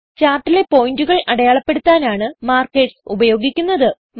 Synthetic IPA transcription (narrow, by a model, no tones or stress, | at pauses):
t͡ɕaːrʈːile̞po̞jinduɣɐɭɐɽɐjaːɭɐpːe̞ɽut̪ːaːnaːɳɨmaːrkeːʈsubɐjo̞ːɡikʲːunːɐðɨ | m